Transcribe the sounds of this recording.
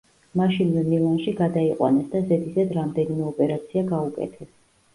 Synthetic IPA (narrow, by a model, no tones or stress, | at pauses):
maʃinnilˠanʃiɡad̪aiqʼwa̰nɛsd̪azɛd̪izad̪ɾamd̪ɛnimɛɔpʼɛɾat̪sʰiaɡaukʼɛ̰t̪ʰɛs